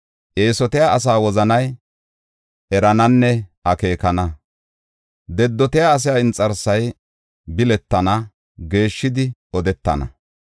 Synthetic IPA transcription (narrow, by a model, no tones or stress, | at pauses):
ʔe̞ːsɔt̪ɪjaʔɐs̬aːwɔzɐnɐj | ʔɛɾɐnɐnːɛɐke̞ːkɐnɐ | d̪ɛd̪ːɔt̪ɪjaːs̬ɪjaɪnt͡sʼːɐɾsɐj | bɪlɛt̪ːɐnɐ | ɡe̞ːʃːɪd̪ɪɔd̪ɛt̪ːɐ̰nɐ̰